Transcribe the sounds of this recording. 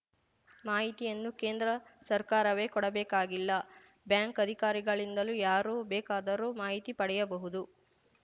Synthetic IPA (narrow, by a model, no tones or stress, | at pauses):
maːɦit̪ijɐnːukeːnd̪ɾɐsɐɾkaːɾɐʋe̞ːkɔɽɐbɛːkaːɡilːɐ | bjaːŋkɐd̪ʱikaːɾiɡɐɭind̪ɐlujaːɾuːbɛːkaːd̪ɐɾoːmaːɦit̪ipɐɽɛjɐbɐɦud̪u